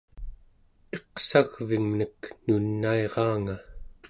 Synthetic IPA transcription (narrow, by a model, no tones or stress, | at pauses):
e̞qsaɣviŋnəknunːaeʁɑːŋa